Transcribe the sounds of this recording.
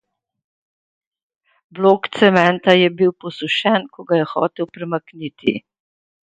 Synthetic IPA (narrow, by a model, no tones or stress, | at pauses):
bloːkt̪sɛmɛnt̪ajɛbiwpɔsuʃɛnkɔɡajɛxɔ̰ːt̪ewpɾɛmaknit̪ḭ